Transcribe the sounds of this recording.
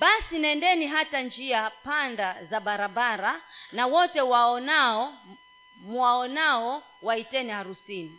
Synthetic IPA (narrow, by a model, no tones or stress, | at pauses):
ɓasinɛndɛniɦatand͡ʒiapandazaɓaɾaɓaɾanawɔtɛwaɔnaɔ | muwaɔnaɔ | waitɛnihaɾusini